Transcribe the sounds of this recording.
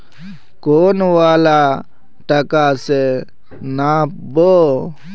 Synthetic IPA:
koːnʋaːlaː | ʈəkaːseː | naːp̚ | boː

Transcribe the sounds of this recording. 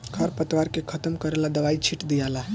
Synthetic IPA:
kʰəɾpət̪ʋaɾkekʰət̪əmkəɾelad̪əʋait͡ʃʰiʈd̪ijala

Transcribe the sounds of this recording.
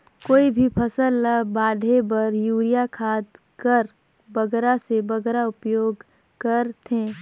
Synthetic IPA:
koːibʱipʰɐsəlːabaːɖʱebɐɾjuːɾijakʰaːd̪ | kəɾ | bɐɡɾasebɐɡɾaʊpjoːɡ | kɐɾt̪ʰẽː

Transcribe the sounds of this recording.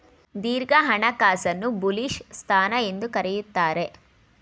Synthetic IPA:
d̪iːɾɡɐɦɐɳɐkaːsɐnːubuliʂst̪ʰaːnɐe̞nd̪ukɐɾejut̪ːaːɾe̞

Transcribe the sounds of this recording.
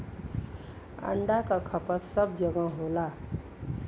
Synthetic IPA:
ə̰ɳɖakakʰəpət̪səb̚d͡ʒəɡə̃ɦola

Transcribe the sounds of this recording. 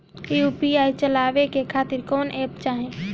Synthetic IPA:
jupiaːit͡ʃəlaːʋekekʰaːt̪ɪɾkɔːneːpt͡ʃaːɦẽː

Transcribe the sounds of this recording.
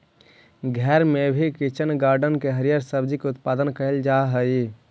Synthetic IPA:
ɡʱɛɾmebʱikit͡ʃənɡaːɾɖənkeɦəɾijaɾsəbd͡ʒikeʊt̪pad̪ənkəɦeld͡ʒaɦəi

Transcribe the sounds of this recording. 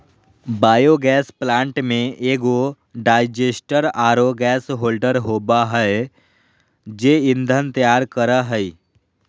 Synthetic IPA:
baːjoɡɛːsplãːɳʈmẽʔeːɡo | ɖaːɪd͡ʒesʈəɾaːɾoɡɛːsɦoːlɖəɾɦoːbaɦə | d͡ʒeːɪnd̪ʱənt̪jaːɾkəɾəɦəi

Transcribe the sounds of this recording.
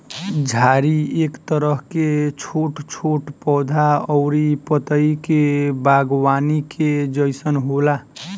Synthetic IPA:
d͡ʒʱaɾiekt̪əɾəɦket͡ʃʰoʈt͡ʃʰoʈpɔːd̪ʱaɔʊɾipət̪əikebaɡwanikʰed͡ʒəjsənɦola

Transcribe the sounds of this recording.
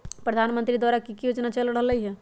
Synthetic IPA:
pɾəd̪ʱanmə̃nt̪ɾid̪waɾakikijut͡ʃnat͡ʃəlɽ̤ələiɦɛ

